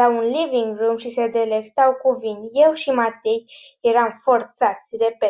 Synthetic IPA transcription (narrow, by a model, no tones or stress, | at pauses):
awunliviŋɡrumʃise̞d̪e̞le̞kt̪awkuvinje̞wʃimat̪ej | jeɾamfo̞rt̪sat̪sʲrepe